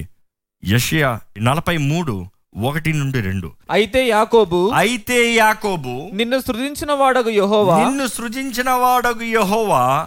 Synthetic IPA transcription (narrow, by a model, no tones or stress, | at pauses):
jeʂɐjanɐlɐpɐjmuːɽu | ɔkɐʈinuɳɖiɾḛɳɖṵɐjit̪e̞ːjaːko̞ːbuɐjit̪eːjaːko̞ːbuninːusɾud̪iɲt͡ʃinɐʋaːɽɐɡujeɦɔːʋnaːninːusɾud͡ʒ̪iɲt͡ʃinɐʋaːɽɐɡujeɦɔːʋaː